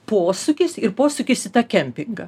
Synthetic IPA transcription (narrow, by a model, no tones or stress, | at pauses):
poːsʊkʲɪsɪɾpoːsʊkʲɪsʲɪt̪ɑkʲɛmʲpʲɪŋɡɐ